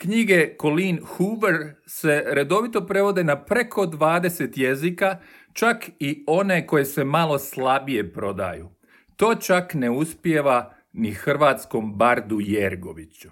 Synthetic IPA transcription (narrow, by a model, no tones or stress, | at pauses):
kɲiɡe̞ko̞linhuʋɾ | se̞ɾe̞d̪o̞ʋit̪o̞pɾe̞ʋo̞d̪enapɾe̞kʰo̞d̪ʋaːd̪e̞se̞t̪je̞zikat͡ʃakio̞ne̞ko̞je̞se̞malˠo̞slˠabije̞pɾo̞d̪a̰ju | t̪o̞ːt͡ʃakne̞uspje̞ʋa | nixr̩ʋaːt̪sko̞mbaɾd̪ujeɾɡo̞̰ʋit͡ɕu̥